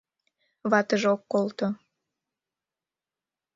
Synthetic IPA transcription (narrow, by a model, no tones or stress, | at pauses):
βɑt̪əʒokːolt̪o